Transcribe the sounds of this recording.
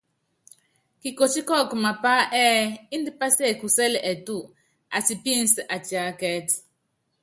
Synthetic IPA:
ki˨ko˨t͡ʃi˦kɔ˦˨kma˨pa˦ʔɛ˦i˦ndi˦pa˦sɛ˦˨ku˨sɛ˦lɛ˨ʔɛ˨tu˦ | a˨si˨pi˦˨n˦sɛ˨ʔa˨t͡ʃa˨kɛ˦t

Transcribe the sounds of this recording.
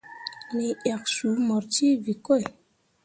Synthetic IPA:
ne˨ʔja˨ksu˨˦mɔ˨ɾt͡ʃi˦vi˨kɔ˦˨j

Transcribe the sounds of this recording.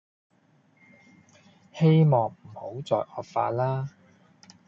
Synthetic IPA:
he˥jmɔː˨ŋm̩˨˩ho˨˥wt͡sɔː˨˧jhɔː˨˧k̚fa̰ː˧laː˥

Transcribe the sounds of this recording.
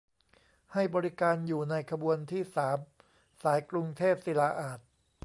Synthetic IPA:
ha˥˩jbɔː˧ɾi˦˥kaː˧njuː˨˩na˧jkʰa˧bu˧ənt̪ʰiː˥˩saː˩˦m | saː˩˦jkɾu˧ŋt̪ʰeː˥˩p̚si˨˩˦la˧ʔaː˨˩t̪̚

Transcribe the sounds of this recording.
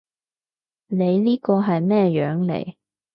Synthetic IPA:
ne˨˧jliː˥kɔː˧ɦɐ˨jmɛː˥˧jœː˨˥ŋlḛ˨˩j

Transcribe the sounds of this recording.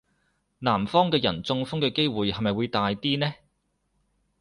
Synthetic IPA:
naː˨˩mfɔː˥ŋkɛː˧jɐ̰˨˩nt͡sʊ˧ŋfʊ˥ŋkɛː˧ke˥jwuː˨jhɐ˨jmɐ˨jwuː˨˧jt̪aː˨jt̪iː˥nɛː˥

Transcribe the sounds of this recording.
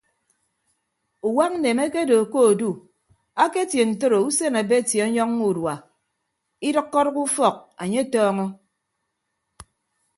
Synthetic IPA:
u˨wa˦k̚n̩˦ne˨me˦ke˦do˨ko˦o˨du˦ | a˦ke˦tje˨n̩˨to˦ɾo˨u˦se˦na˨be˦˨tje˨ɔ˦ɲɔ˦ŋ˦u˨dwa˨ | i˦dɔ˦kːɔ˦ɾku˦fɔ˨k̚a̰˨ɲe˦tɔː˦ŋɔ˦

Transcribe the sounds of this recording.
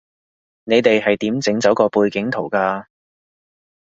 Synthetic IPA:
ne˨˧jt̪e˨jɦɐ˨jt̪iː˨˥mt͡sɪ˨˥ŋt͡sɐ˨˥wkɔː˧puː˧jkɪ˨˥ŋt̪ʰo˨˩wkaː˧

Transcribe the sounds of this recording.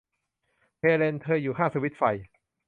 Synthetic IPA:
pʰeː˧le˧nt̪ʰɤː˧juː˨˩kʰaː˥˩sa˧wi˦˥t̪̚fa˧j

